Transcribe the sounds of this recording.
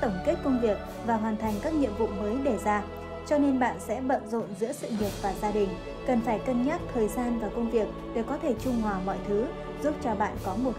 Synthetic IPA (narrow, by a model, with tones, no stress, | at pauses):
t̪ə˧˩ŋ͡mke˦˥t̚kə˧wŋ͡mvi˨˩ək̚ | vaː˨˩ɦwaː˨˩nt̪ʰa˨˩jŋ̟kaː˦˥k̚ɲḭ˧˨əmvṵ˧˨məː˨˦jɗe˧˩zaː˧ | t͡ɕɔ˧ne˧nɓa̰ː˧˨nsɛ̰˧˥ɓə̰˧˨nzo̰˧˨nzɨ̰˧˥əsɨ̰˧˨ŋi˨˩ət̚vaː˨˩zaː˧ɗï˨˩ŋ̟ | kə˨˩nfaː˧˩jkə˧nɲaː˦˥t̚t̪ʰəː˨˩jzaː˧nvaː˨˩kə˧wŋ͡mvi˨˩ək̚ɗe˨˧˩kɔ˨˦t̪ʰe˧˩t͡ɕʊ˧ŋ͡mŋwaː˨˩mɔ̰˧˨jt̪ʰɨ˨˦ | zu˦˥p̚t͡ɕɔ˧ɓa̰ː˧˨nkɔ˨˦mo˨˩t̚